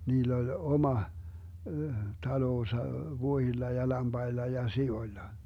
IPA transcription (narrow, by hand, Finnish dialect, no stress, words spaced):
niːlː olʲ omɑ tɑloːsɑ ʋuohilːɑ jɑ lɑmb̥ɑilːɑ jɑ sioĭlːɑ